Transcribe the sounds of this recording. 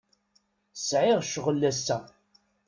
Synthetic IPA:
sʕɪʁʃʁəlːæsːæ

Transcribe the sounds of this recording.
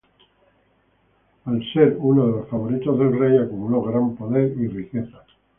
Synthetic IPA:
alse̞ɾunoðe̞lo̞sfaβ̞o̞ɾit̪ozðe̞lrejakumulo̞ɣɾampo̞ðe̞ɾirike̞θa

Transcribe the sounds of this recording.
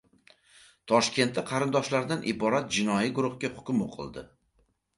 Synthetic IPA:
t̪ʰɒʃkʲʰe̞nt̪ːɪqʰɑɾɪnd̪ɒʃlaɾd̪anʔɪbɒɾat̪̚d͡ʒɪnɒjiɡʊɾʊhɡʲahʊ̥kʲmo̰qʰɨ̰lˠd̪ɪ̰

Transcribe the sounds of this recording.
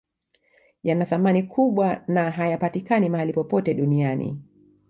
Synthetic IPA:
janaθamanikʰuɓwanaɦajapatikanimaalipɔpɔtɛɗunianḭ

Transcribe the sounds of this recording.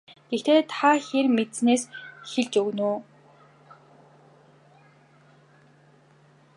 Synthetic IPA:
ɡ̥ext̪ʰeːt̪ʰaxermet̪sneːsxeɮt͡ɕɵɣnuː

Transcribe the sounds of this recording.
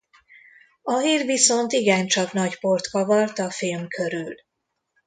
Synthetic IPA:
ɒɦiːrviso̞nt̪iɡɛnt͡ʃɒknɒɟpo̞rt̪kɒvɒrt̪ɒfilmkʰø̞ɾyl

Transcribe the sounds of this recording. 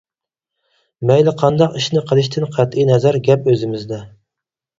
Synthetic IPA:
mɛjlɪqʰɑnd̪ɑqiʃnɪqʰəlˠɨʃ̬t̪ʰɪnqʰæt̪ʔinɛzæɾɡʲɛpøzɪmɪzd̪ɛ

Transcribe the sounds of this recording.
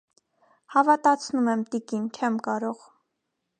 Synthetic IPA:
hɑvɑt̪ɑt͡sʰnumɛmt̪ikint͡ʃʰɛmkɑɾɔʁ

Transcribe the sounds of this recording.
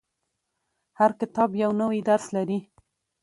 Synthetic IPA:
haɾkɪt̪ɑbjawnəwid̪aɾslaɾi

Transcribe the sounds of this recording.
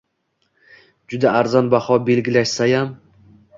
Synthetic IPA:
d͡ʒʊd̪aːɾzɒnbahɒbe̞lɡʲɪlaʃsajam

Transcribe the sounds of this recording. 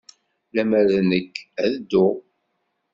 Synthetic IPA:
læmæɾnəkːæðəd̪ːʊ

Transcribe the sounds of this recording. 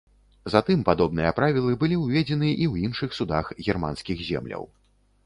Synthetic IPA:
zat̪ɨmpad̪ɔbnɨjɐpɾavʲilˠɨbɨlʲiwvʲɛd͡zʲɛnɨʔiwjinʂɨxsud̪axɣʲɛrma̰nskʲixzʲɛ̰mlʲɐ̰w

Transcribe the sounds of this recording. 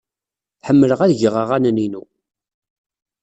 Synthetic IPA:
ħəmːələʁæðʝəʁəʁænəninu

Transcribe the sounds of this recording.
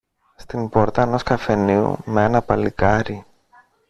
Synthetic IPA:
st̪impo̞ɾt̪ɐeno̞skɐfe̞niṵmeenɐpɐlikɐɾi

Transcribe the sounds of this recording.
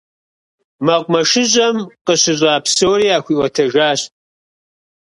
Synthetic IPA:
mɐqʷmɐʂɨʑʼɐmqəɕɪʑʼaːpsowɾiːaːxʷiʔwɔtʰɐʒaːɕt

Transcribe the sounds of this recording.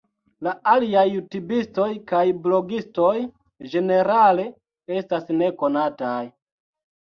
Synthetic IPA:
laaliajːutubisto̞jkajblo̞ɡisto̞j | d͡ʒe̞ne̞ɾale̞ | e̞stasne̞ko̞nataj

